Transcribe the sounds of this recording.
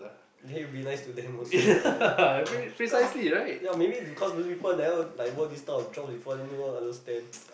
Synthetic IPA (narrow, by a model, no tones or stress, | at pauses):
dɛbinaɪstudɛ̃mos | pɹisaɪsliɹaɪt̚jamebibikʰɔsmospipəldɛlajwɔdistaɔfd͡ʒɔ̃psbifɔɛniwə̃ãndəstɛ̃n